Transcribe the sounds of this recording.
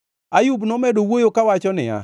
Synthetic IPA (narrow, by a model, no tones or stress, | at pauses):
ajubnɔmɛdowojokawat͡ʃɔnɪa̰